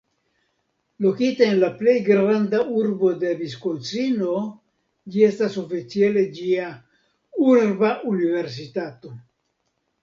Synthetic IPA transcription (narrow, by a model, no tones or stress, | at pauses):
lo̞kitaenlaple̞jɡɾand̪auɾbo̞d̪e̞biskot͡sino̞ | d͡ʒie̞staso̞fit͡siele̞d͡ʒia | uɾbaunive̞ɾs̬it̪at̪o̞